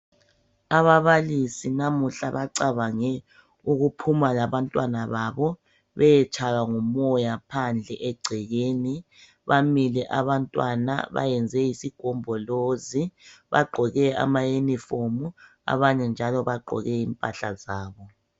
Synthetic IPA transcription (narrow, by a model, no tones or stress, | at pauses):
aβaβalisinamuɬa̰βaǀaβaŋɛ | uɣupʰumalaβantʼwanaβaβɔ | βɛjɛt͡ʃʰʼaɣaŋumɔjapʰand͡ɮʱɛʔɛɡ͡ǀʱɛɣeːni | βamilɛʔaβantʼwa̰na̰βa̰jɛnd͡zʱɛjisiɡ̥ʱɔmbʱɔloziβa̰ɡ͡ǃʱɔɣɛa̰majenifomu | a̰βaɲɛnd͡ʒʱalɔβaɡ͡ǃʱɔ̰ɣɛiːmpʼaɬazaːβɔ